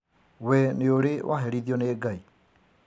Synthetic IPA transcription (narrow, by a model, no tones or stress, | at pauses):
wɛneoɾewʔa̰ɦɛɾiðiɔneɡai